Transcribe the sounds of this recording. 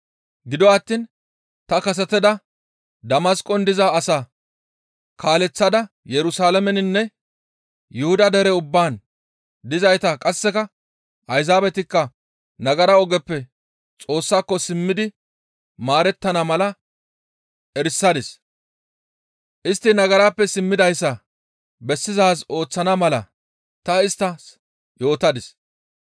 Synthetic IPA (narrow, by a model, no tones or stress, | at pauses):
ɡɪd̪ɔɐt̪ːiːn | t̪ɐkɐs̬ɛt̪ɛd̪ɐ | d̪ɐmɐskʼːɔnd̪ɪzaːsaː | kʰaːlɛt͡sːɐd̪ɐ | jɛɾʊsaːlɐmɛnɪnːɛ | jʊhʊd̪ɐd̪ɛɾɛʊbːaːn | d̪ɪzɐjt̪akʼɐsːɛkɐ | ʔɐjzaːbɛt̪ɪkːɐ | nɐɡɐɾɐɔɡɛpːɛ | t͡sʼo̞ːsːaːkːɔsɪmːɪd̪ɪ | maːɾɛt̪ːɐnɐmɐlɐ | ʔɛɾsːɐd̪ɪs | ʔɪst̪ːɪnɐɡɐɾaːpːɛsɪmːɪd̪ɐjsːɐ | bɛsːɪzaːs̬o̞ːt͡sːɐnɐmɐlɐ̰ | t̪ɐɪst̪ːɐs | jo̞ːt̪ɐd̪ɪs